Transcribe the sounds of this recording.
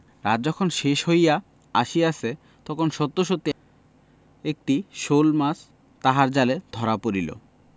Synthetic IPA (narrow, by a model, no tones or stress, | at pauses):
ɾad̪̚d͡ʑɔkʰonʃeʃɦoja | a̰ʃiase | t̪ɔkʰonʃɔt̪ːoʃot̪ːi | ek̚ʈiʃolmas | t̪aɦaɾd͡ʑaled̪ʱɔɾapoɾilo̰